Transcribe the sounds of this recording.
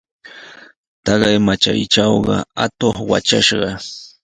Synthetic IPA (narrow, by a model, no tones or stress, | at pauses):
t̪ɑɢɑjmat͡ʃa̰jʈ͡ʂɑwɢɑ̰at̪oχwa̰t͡ʃaʃɢɑ